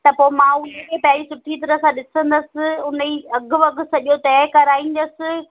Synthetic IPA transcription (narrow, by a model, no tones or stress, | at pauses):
t̪ɐpoːɪmãʊnekʰẽpɐjaːisʊʈʰit̪ɐɾəsãɗɪsə̃nd̪əsɪ̆ʊniɐɡʱʊ̆ʋɐɡʱsɐʄot̪ɐːkɐɾaːĩːn̆d̪əsɪ̆